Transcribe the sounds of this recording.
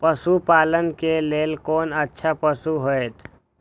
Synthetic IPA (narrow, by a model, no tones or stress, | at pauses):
pəsupaːlənkeleːlkoːnətːʃʰapəsuɦoet̪ʰ